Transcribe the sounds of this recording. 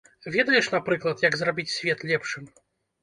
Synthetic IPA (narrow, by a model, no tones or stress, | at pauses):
vʲɛd̪ɐjɛʂnapɾɨklˠɐt̪jɐɡzrabʲit͡sʲsʲvʲɛt̪lʲɛpʂɨm